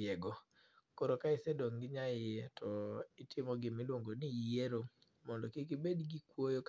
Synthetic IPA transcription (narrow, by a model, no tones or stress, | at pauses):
ɛɡɔ | koɾokaɪsɛdoŋɡɪɲajɪɛtʰɔɪtʰɪmɔɡɪmɪlwoŋɡonieɾo | mɔndɔkikibedɡikwojok